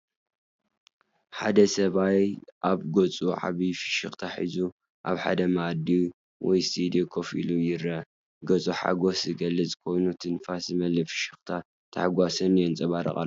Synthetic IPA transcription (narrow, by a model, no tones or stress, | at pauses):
ħad̪ɐsɐβajʔaβɡot͡sʼuʕa̰βifɨ̥ʃɨxʼt̪ʰaħḭzu | ʔaβħa̰d̪ɐmad̪i | wɔjst̪ʰid̪iokʰo̞filujɪɾɐ | ɡɐt͡sʼuħa̰ɡo̞szɨɡɐlːɐt͡sʼɨ̥kʰo̞jnut̪ʰɨnfaszɨmɐlɨfɨ̥ʃɨxt̪ʰa | t̪ʰɐħaɡʷasɐnjɛnt͡sʼɐβaɾɐ̰χʼa̰lː